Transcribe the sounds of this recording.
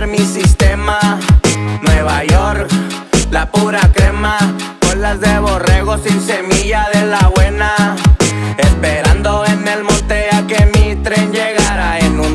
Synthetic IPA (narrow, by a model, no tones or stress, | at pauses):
ɾmisist̪ema | nwe̞βaʝo̞ɾk | lapuɾakɾema | polazðeβo̞re̞ɣo̞sinse̞miʝaðe̞laβwe̞na | espe̞ɾand̪o̞ene̞lmo̞nt̪eakemit̪ɾe̞nd͡ʒeɣaɾaenun